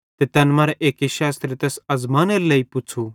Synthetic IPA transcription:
t̪et̪ɐnmaːɾɛʔeːkeʃaːst̪ɾet̪eːsɐzmaːneɾlɐːipʊt͡ʃʰu

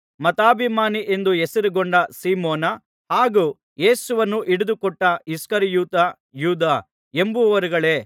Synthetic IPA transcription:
mɐt̪aːbʱimaːniʔe̞nd̪uesɐɾiɡoɳɖɐsiːmoːnɐ | haːɡuː | je̞ːsuʋɐnːuʔiɽud̪ukɔʈːɐiskɐɾijuːt̪ɐ | juːd̪aː | embuʋɐɾuɡɐɭe̞ː

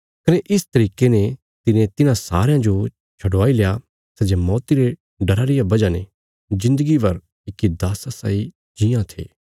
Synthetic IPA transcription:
kɐneʔɪst̪ɐɾiːkene | t̪ɪnẽt̪ɪnãsa̰ːɾejãd͡ʒo | t͡ʃʰɐɽʋaːilja | sɛd͡ʒemɔːt̪iɾe | ɖɐɾaɾɪjabɐd͡ʒanẽ | d͡ʒɪ̃nd̪əɡibɐɾ | ɪkːid̪aːsasa̰ːi | d͡ʒɪjãt̪ʰḛː

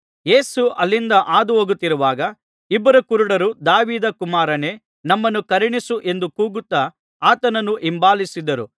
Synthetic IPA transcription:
jeːsuʔɐlːind̪ɐʔaːd̪uoːɡut̪ːiɾuʋaːɡɐ | ibːɐɾɐkuɾuɽɐɾud̪aːʋiːd̪ɐkumaːɾɐne̞ː | nɐmːɐnːukɐɾiɳisuʔe̞nd̪ukuːɡut̪ːɐ | aːt̪ɐnɐnːuʔimbaːlisid̪ɐɾu

